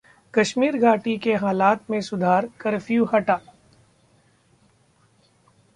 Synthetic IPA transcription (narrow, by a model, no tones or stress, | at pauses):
kɐʃmiːɾɡʱaːʈikeɦaːlaːt̪mẽsʊd̪ʱaːɾkɐɾfjuhɐʈaː